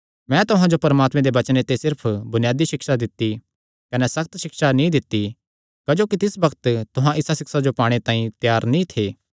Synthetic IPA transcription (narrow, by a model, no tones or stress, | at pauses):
mɛ̃t̪ʊɦãd͡ʒopɐɾɐmaːt̪mẽd̪eʋɐt͡ʃnet̪esɪɾpʰbʊnɪjaːd̪iʃɪkʃad̪ɪt̪ːi | kɐnɛsɐk̚t̪ʃɪkʃanĩd̪ɪt̪ːi | kɐd͡ʒoːkit̪ɪsbɐkət̪t̪ʊɦãʔɪsasɪksad͡ʒopaːɽ̃et̪ãːĩt̪jaːɾnĩt̪ʰeː